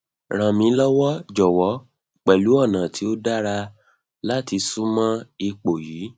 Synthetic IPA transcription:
ɾ̃ã˨mĩ˨˦lɔ˦wɔ˦d͡ʒɔ˨wɔ˨˦ | k͡pɛ˨lu˨˦ɔ˦˨nã˨tʰi˨˦o˦da˦ɾa˧ | la˦ti˧sũ˦mã˦i˧k͡po˨jiː˨˦

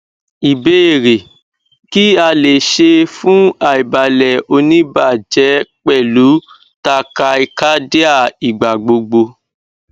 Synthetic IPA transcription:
i˨be˦e˦˨ɾe˨ | ki˦a˧le˨ʃe˧fũ˦a˦˨i˨ba˨lɛ˨o˧nĩ˦ba˦˨d͡ʒɛ˨˦k͡pɛ˦˨lu˨˦ | ta˧ka˧i˧ka˦de˦a˦˨i˨ɡ͡ba˨ɡ͡bo˧ɡ͡bo˧

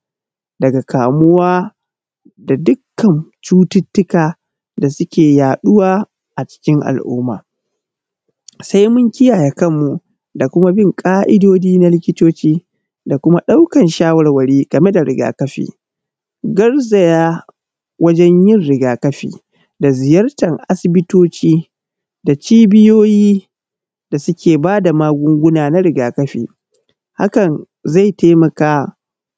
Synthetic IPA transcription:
dɐ˨ɡa˨kʰaː˨mʊ˦waː˦ | da˨dʊ˦kːɐ˨mt͡ʃuː˦tɪ˦tːʊ˦kaː˨ | da˨sʊ˦kʲeː˨jaː˨ɗʊ˦waː˦ | ʔa˨t͡ʃɪ̥˦kʲɪ˦ŋʔa̰˨lʔʊ̰ː˦mːa̰ː˨ | sa˦jmʊ˦ŋkʲɪ˦jaː˨ja˨kɐ˦mːu˨ | da˨kʷʊ˦ma˦bɪ˦˨ŋkʼaː˦ʔɪ˦doː˦d͡ʒiː˦na˦lɪ˦kʲɪ˦toː˦t͡ʃiː˦ | da˨kʷʊ˦ma˦ɗa˦wkɐ˨nʃaː˦wɐ˨rwɐ˨ɽiː˦ɡ̥ɐ˨me˦da˨ɾɪ˦ɡa̰ː˨kɐ˦ɸḭː˨ | ɡɐ˦rzɐ˨jaː˦ | wʔɐ˦d͡ʒɛ˦ɲjɪ˦˨nɾɪ˨ɡaː˨kɐ˦ɸḭː˨ | da˨zɪ˨jɐ˦rtɐ˨ŋʔa̰˦sɪ˨bɪ˦toː˦t͡ʃiː˦ | da˨t͡ʃiː˦bɪ˦joː˦jiː˦ | da˨sʊ˦kʲʰeː˨baː˦da˨maː˦ɡʷʊ˦ŋɡʷʊ˦naː˨na˦ɾɪ˨ɡaː˨kɐ˦ɸḭː˨ | ha̰˦kɐ˨n | za˦˨jteː˦mɐ˨kaː˦

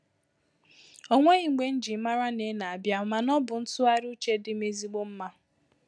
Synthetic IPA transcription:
o˦ŋʷe˦ɣi˨ŋ͡m̩˨ɡ͡be˨n̩˦d͡ʒi˨˦ma˦ɾa˦ne˨˦na˨a˨bja˦ma˨nɔ˦bʊ˨n̩˦tʊ˦a˦ɾu˦t͡ʃe˦dɪ˦me˦zi˦ɡ͡bo˦m̩˦ma˦

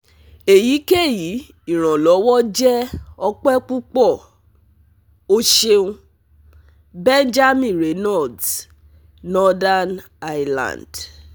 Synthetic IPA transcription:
e˨ji˨˦ke˦˨ji˨˦ | i˨ɾ̃ã˨lɔ˨˦wɔ˦d͡ʒɛ˦ɔ˧k͡pɛ˦k͡pu˦k͡pɔ˦˨ | o˦ʃe˧ũ˦ | bɛ˦nd͡ʒa˦mĩ˦˨ɾe˨nɔ˦˨d | nɔ˦da˦n | a˦jlã̰˨nd

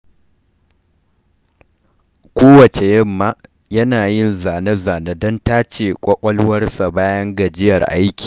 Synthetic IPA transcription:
kʷoː˦wɐ˨t͡ʃe˨jɐ˦mːaː˦ | jɐ˦naː˨jɪ˦nzaː˨ne˦zaː˨ne˦dɔ˦ntaː˦t͡ʃeː˨kʷʼɔ˦kʷʼɐ˦lwɐ˦rsa˨baː˦jɐ˦ŋɡɐ˨d͡ʒɪ˦jɐ˨rʔa˦jkʲi̥ː˨

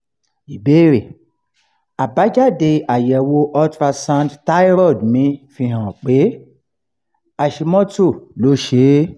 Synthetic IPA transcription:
i˨be˦ɾe˨ | a˨ba˨˦d͡ʒa˦˨de˧a˨jɛ˨wo˧˦ʔɔ˦tɾa˧sã˦ntta˦i˦ɾɔ˦˨dmĩ˨˦fĩ˧˦ɦã˨k͡pe˨˦ | a˨ʃe˧mɔ̃˦to˦˨lo˨˦ʃe˨˦

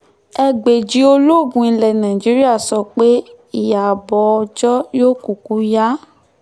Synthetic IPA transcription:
ɛ˧ɡ͡be˨d͡ʒi˨˦o˧lo˦˨bũ˧ĩ˧lɛ˨nã˨i˨d͡ʒi˨˦ɾi˦a˦˨sɔ˧˨k͡pe˦ | i˦˨ja˨bɔ˨˦˧d͡ʒɔ˦joː˦ku˨ku˨˦ja˦

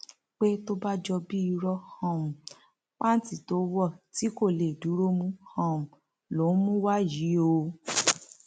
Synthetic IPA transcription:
k͡pe˦to˦ba˦d͡ʒɔ˧bi˦i˧ɾɔ˧hɔ̃˨mũ˨ | k͡pã˦n˦ti˨to˨˦wɔ˦˨ti˨˦ko˦˨le˨du˨˦ɾo˦mũ˦hã˦˨mũ˨ | lo˨˦mũ˦wa˦ji˨˦o˧

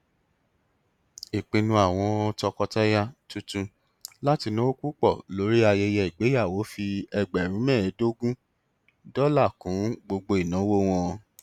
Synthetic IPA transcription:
i˨k͡pĩ˧nũ˧˦a˦˨w̃ɔ̃˧ɔ˧tɔ˧kɔ˧ta˦ja˦tu˦tũ˧ | la˦ti˧nõ˦ku˦k͡pɔ˦˨lo˨˦ɾi˦a˧jɛ˧jɛ˧i˨ɡ͡be˨˦ja˦˨wo˨˦fi˧ɛ˧ɡ͡bɛ˨ɾũ˨˦mɛ̃ː˦˨ɛ˨˦do˦ɡũ˦ | dɔ˦la˦˨kũ˨˦ɡ͡bo˧ɡ͡bo˧i˨nã˨˦wo˦w̃ɔ̃˧

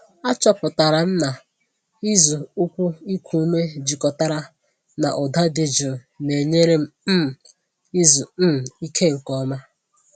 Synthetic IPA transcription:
a˦t͡ʃɔ˦pʊ˨ta˨ɾa˨n̩˦na˨ | i˦zu˨u˦kʷu˦i˦kʷʰu˨u˦me˦d͡ʒi˨kɔ˨ta˦ɾa˦ | na̰˨ʔɔ˨da˦dɪ˨d͡ʒʊ˨ne˨ɲe˦ɾe˦m̩˦˨ | i˦zu˨˦˨i˦kʰe˦ŋ̩˨kɔ˦ma˦

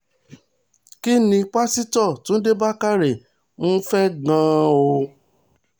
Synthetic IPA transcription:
ki˦nĩ˧˦k͡pa˦si˦tɔ˦˨tũ˦n̩˦de˦ba˦ka˦ɾe˨ | mũ˦fɛ˦ɡã˦o˧

